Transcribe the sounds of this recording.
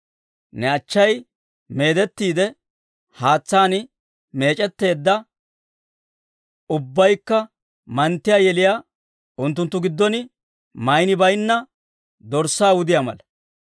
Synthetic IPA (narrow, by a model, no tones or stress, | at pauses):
nɛɐt͡ʃːɐj | me̞ːd̪ɛt̪ːiːd̪ɛ | haːt͡sːaːnɪ | me̞ːt͡ʃʼɛt̪ːe̞ːd̪ːɐ | ʊbːɐjkːɐ | mɐnt̪ːɪjaːjɛlɪjaː | ʊnt̪ːʊnt̪ːʊɡɪd̪ːɔnɪ | mɐjnɪbɐjnːɐ | d̪ɔɾsːaːwʊd̪ɪjamɐ̰lɐ